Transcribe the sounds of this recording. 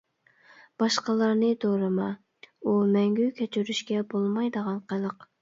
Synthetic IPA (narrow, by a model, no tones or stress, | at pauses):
b̥ɑʃqɑlˠɑɾnɨd̪oɾɨmɑ | umɛŋɡʲykʲʰɛt͡ʃʰyɾyʃkʲɛbolˠmɑjd̪əʁɑnqʰəlˠəq